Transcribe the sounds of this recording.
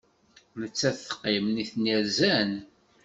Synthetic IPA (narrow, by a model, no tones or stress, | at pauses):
mət͡sːæθθə̥qːimniθniɾzæn